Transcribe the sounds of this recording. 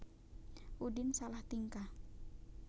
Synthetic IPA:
ʔudɪnsalaht̪iŋka

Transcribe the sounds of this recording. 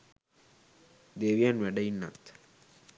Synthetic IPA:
d̪eːʋijãnʋɛɖɐɪnːa̰t̪ʰ

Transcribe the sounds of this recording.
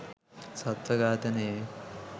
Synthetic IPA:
sɐt̪ʋɐɡaːt̪ɐneː

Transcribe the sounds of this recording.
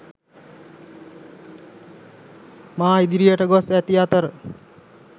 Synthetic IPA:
maːaid̪iɾijaʈəɡɔsɛt̪iat̪əɾ

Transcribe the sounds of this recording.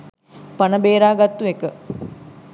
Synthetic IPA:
panəbeːɾaːɡat̪ːuekə

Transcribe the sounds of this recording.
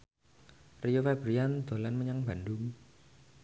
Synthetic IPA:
rijofaɛb̥ɾijand̪̥o̤lanməɲaŋb̥a̤ndʊŋ

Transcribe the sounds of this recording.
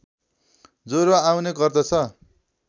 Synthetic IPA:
d͡zoɾaawnekʌrd̪ʌt͡sʰʌ

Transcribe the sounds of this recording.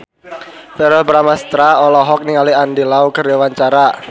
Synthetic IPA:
sɛɾɔbɾamast̪ɾaɔlɔɦɔk̚niŋaliandilaukərdewaɲt͡ʃaɾa

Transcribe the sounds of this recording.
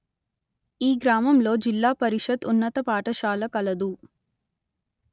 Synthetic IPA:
iːɡɾaːmɐmlo̞ːd͡ʒilːaːpɐɾiʂɐd̪unːɐt̪ɐpaːʈɐʃaːlɐkɐlɐd̪u

